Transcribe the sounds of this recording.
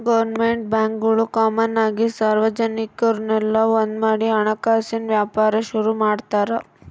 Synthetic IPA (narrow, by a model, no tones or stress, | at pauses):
ɡɐʋɐɾnmeɳʈ̚bjaːŋkɡɐɭukaːmɐnaːɡisaːɾʋɐd͡ʒɐnikɐɾnɛlːɐond̪maːɽiɐɳɐkaːsinʋjaːpaːɾɐʃuɾumaːɖt̪aːɾɐ